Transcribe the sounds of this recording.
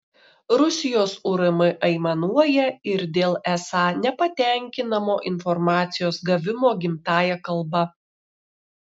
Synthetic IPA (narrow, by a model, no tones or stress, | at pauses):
ɾʊsʲɪjoːsʊɾɐmɐʔɐɪmɐnuɔjɛɪɾd̪ʲeːlˠɛsɑːnʲɛpɐt̪ʲæˑŋʲkʲɪnɐmoːʔɪnfɔɾmɑːt̪sʲɪjoːsɡɐʋʲɪmoːɡʲɪmt̪ɑːjɛkɐlˠbɐ